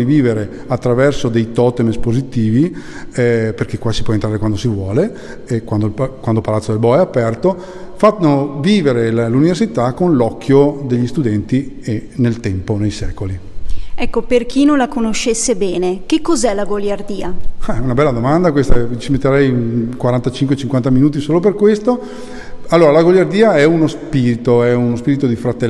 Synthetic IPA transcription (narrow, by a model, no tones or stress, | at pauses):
iviːveɾe | at̪ːɾavɛrsod̪ejt̪ɔt̪emespozit̪iːvi | ɛperk̟ekːwasipwɔent̪ɾaːɾekwand̪osivwɔːle | ekwand̪okwand̪opalat̪sːod̪elbɔɛapɛrt̪o | fat̪noviːveɾelluniversit̪akonlɔkʰːjod̪eʎːist̪ud̪ɛnt̪i | enelt̪ɛmponejsɛːkoliɛkːoperk̟inõnlakonoʃːesːebɛːnekekːozɛlaɡoljard̪iːaaunabɛlːad̪omand̪akwest̪aɛt͡ʃimet̪ːeɾɛjkwaɾant̪at͡ʃiŋkwet͡ʃiŋkwant̪aminuːt̪̬isoːlop̬erkwest̪o | alːoːɾalaɡoʎːard̪iːaɛunospiːɾit̪oɛunospiːɾit̪od̪ifɾat̪e